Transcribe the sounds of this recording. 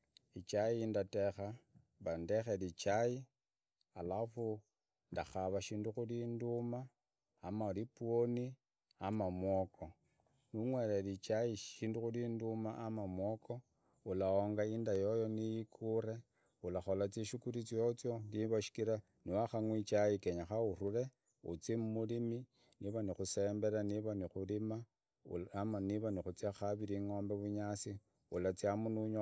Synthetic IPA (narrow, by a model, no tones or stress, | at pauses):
it͡ʃajindatexa | βandexelit͡ʃaji | alafu | ndaxaβaʃiːnduxulindumaː | malipuoni | amamwokʰo̞ | nuŋwelelit͡ʃaiʃiːnduxulindumaʔamamwoko̞ | ulaoŋɡaindajo̞jo̞nijikʰuɾe̞ | ulaxo̞lat͡siʃukuɾit͡siot͡sjo̞ndiβaʃi̥kiɾa | niwaxaŋwit͡ʃajikeɲaxauruɾe̞ | ṵt͡simumulimi | niβanixuse̞ːmbe̞ɾaniβanixulima̰ | amaniβanixut͡sjaxaβiɾiŋo̞ːmbeβuɲasi | ulat͡sjamunuɲo